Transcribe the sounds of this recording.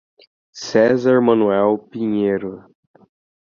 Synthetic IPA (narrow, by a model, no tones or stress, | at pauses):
sɛzaɾmɐ̃nuɛwpĩɲeɾʊ